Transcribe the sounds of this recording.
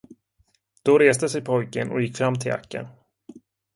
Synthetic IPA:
d̪̥ɔɾeːsd̪əsɛjpʰɔjkənɔ̰jɪkːfɾamːt̪ʰɪla̰kːə̰n

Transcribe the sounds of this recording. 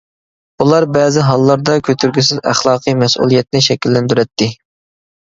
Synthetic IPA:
bulˠɑɾbɛːzɪɦɑlˠːɑɾd̪ɑkʲʰøt̪ʰyɾɡʲysɪzæ̰χlˠɑːqʰɨjmɛsʔṵlˠijɛt̪nɪʃɛkʲilːɛnd̪yɾɛt̪ʰːɪ

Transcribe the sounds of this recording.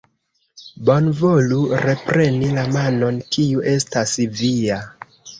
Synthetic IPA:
bo̞nvo̞luɾe̞pɾe̞nilamano̞nkiuʔe̞stasvia

